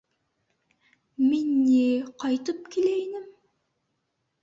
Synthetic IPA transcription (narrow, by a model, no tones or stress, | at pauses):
menːeqʰɑjt̪əp̚kʲʰelejnɪm